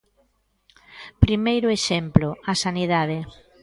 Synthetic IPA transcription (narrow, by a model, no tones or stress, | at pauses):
pɾimejɾʊeʃemplʊasaniðað̞e